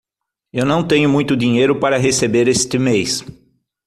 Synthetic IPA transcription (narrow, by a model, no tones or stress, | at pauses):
ewnɐ̃w̃t̪ẽɲʊmũj̃t̪ʊd̪iɲejɾʊpaɾɐɦesebeɾest̪ɪmejs